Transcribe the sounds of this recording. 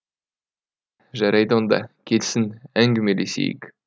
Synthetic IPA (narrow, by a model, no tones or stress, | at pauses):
ʒɑɾɑjd̪əond̪ɑ̰kʲʰelsɪnæŋɡʲɪmelesḛjɪ̰k